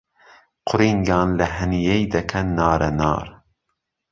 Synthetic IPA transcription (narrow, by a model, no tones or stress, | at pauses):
qʰʊɾiːŋɡɑːnlɐɦɐnijejd̪ɐkʰɐnːɑːɾʔɐnɑ̰ːɾ